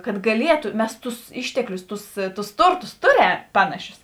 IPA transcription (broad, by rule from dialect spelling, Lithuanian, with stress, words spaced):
kɐt ɡɐˈlʲiɛtʊ ˈmʲɛs ˈtʊs ˈɪʃʲtʲɛklʲʊs ˈtʊs ˈtʊs ˈtʊrˌtʊs ˈtʊˌrʲɛm ˈpɑːnɐˌʃʲʊs